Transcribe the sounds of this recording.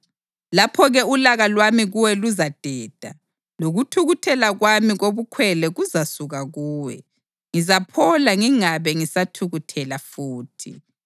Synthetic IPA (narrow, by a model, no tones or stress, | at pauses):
lapʰɔɣɛulaɣalwamiɣuwɛluzad̥ʱɛːd̥ʱa | loɣutʰuɣutʰɛlaɣwamiɣoβukʰwɛlɛɣuzasuɣaɣuːwɛ̰ | ŋizapʰɔlaŋiŋaβɛŋisatʰuɣutʰɛlafuːtʰḭ